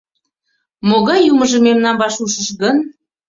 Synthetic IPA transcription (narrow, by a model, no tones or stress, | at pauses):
moɣɑjuməʒəmemnɑmvɑʃuʃəʃɣən